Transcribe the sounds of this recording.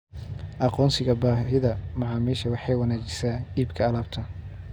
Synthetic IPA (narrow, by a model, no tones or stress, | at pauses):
ʔɑqɔːnsɪɣɐbaːɦɪðɐmɑʕɑːmiːʃɐwɑħɑjwɑnaːt͡ʃɪ̥saːiːbkʰɐːlaːb̚t̪ʰɐ